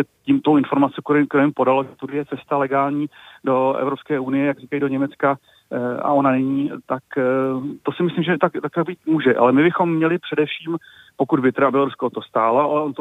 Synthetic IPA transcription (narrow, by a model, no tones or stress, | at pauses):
ɛcimt̪owɪnfo̞ɾmat͡sɛkk̪ɛɾomɪmpo̞daloʒɛt̪udɪjɛt͡sɛst̪alɛɡaːlɲiːdo̞ɛ̰vɾo̞pskɛːʔunɪjɛjaɡriːkajidoɲɛmɛt͡ska | ʔa̰ʔo̞nanɛɲiːt̪akt̪o̞sɪmɪslimʒɛt̪akt̪akt̪akbiːt̪muːʒɛʔa̰lɛmɪbɪxo̞mːɲɛlɪpr̝̥ɛdɛfʃiːm | pokudbɪt̪ɛɾabɪloɾuskoot̪ost̪aːlaʔalɛont̪o